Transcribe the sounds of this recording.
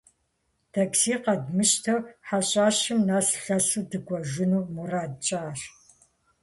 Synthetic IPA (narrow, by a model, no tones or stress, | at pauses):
tʰaksiːqɐdmɨʃtʰɐwħaɕʼaːɕɪmnaːsɬɐsuːdɨɡʷɔʒɪnuːmuraːdt͡ʃʼaːr